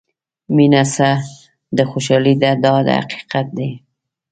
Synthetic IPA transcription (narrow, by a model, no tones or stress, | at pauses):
minasa | d̪əxoʃɑlid̪ad̪ɑd̪̰ha̰qi̥qat̪̚d̪e